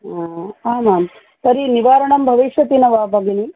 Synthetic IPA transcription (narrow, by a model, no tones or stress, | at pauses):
aaːmaːm | sɐɾiniʋaːɾɐɳɐmbʱɐʋiʃʋɐt̪inɐʋaːbɐɡɐni